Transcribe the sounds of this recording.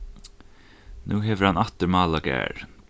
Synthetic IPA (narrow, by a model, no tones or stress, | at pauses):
nuːɦɛːʋəɾ̥hanaht̪əɹmaːlaɡæ̰ːɹ